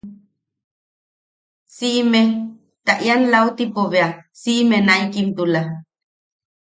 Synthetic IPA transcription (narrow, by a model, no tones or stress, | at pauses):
siʔme | t̪aʔjanlaut̪ipoβeasiʔmenaikimt̪ula